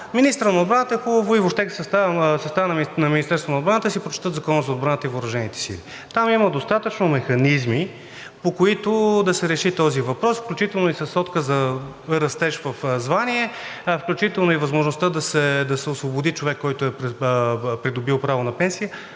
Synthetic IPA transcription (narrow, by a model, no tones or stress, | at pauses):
minist̪əɾənɐod̪bɾanət̪əxobəvʊivoʃt̪ɛksɛst̪asɐst̪avnɐnɐminist̪ɛɾst̪vonoːd̪bɾanət̪əsipɾot͡ʃɛ̥t̪ɤt̪zɐkɔnəzɐod̪̚bɾanət̪əivoɾɐʒɛnit̪ɛ̥sḭli | t̪amimɐd̪ost̪at̪ət͡ʃnomɛxɐnizmi | pokoit̪od̪ɐsɛɾɛʃit̪ɔzivɐpɾɔsfklʲut͡ʃit̪ɛlˠnoisɐsːɔt̪kəzɐ | ɾɐst̪ɛʃvɐfzvaniɛfklʲut͡ʃit̪ɛlˠnoivɐzmoʒnost̪əd̪ɐsɛd̪ɐsɛosvobod̪it͡ʃovɛkːɔjt̪ʊɛɾ | pɾid̪obilˠpɾavonɐpɛnsijə